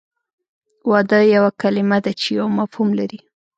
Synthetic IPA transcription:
wɑd̪əjawakalɪmad̪at͡ʃejawmafhumlaɾi

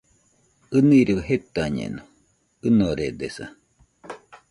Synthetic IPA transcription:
ɨniɾeɦet̪aɲḛno | ɯnoɾed̪esa̰

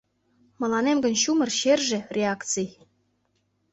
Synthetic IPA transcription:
mɤ̆lɑnemɡə̆nɕumɤ̆rɕerʒĕrʲeɑkt͡sij

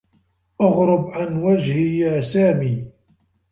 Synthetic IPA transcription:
ʔɑɣɾʊbʕanwad͡ʒhijaːsaːmiː

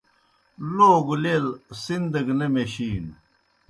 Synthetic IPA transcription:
loːɡulelsind̪ɐɡnemeɕiːn

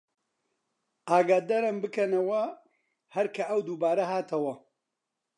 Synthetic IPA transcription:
ʔaːɡaːd̪ɐɾɐmbɨkɐnɐwɐ | hɐɾkʰɐʔɐwd̪uːbaːɾɐɦaːt̪ʰɐwɐ

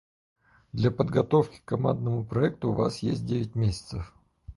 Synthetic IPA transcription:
d̪lʲɐpəd̪ɡɐt̪o̞fkʲɪ̥kːɐmand̪nəmʊpɾɐɛk̚t̪ʊːva̰sjesʲt̚ʲdʲevʲɪt̚ʲmʲesʲɪ̥t̪səf

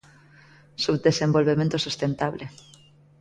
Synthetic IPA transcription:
subd̪esẽmbolβemẽnt̪osust̪ent̪aβle

